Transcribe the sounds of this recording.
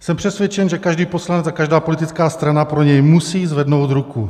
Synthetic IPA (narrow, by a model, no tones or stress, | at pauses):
sɛmpr̥ɛsvjɛt͡ʃɛnʒɛkaʒdiːpo̞slanɛt͡sakaʒdaːpo̞lɪt̪ɪt͡skaːst̪ɾanapɾoɲɛjmusiːzvɛdnowd̪ɾuku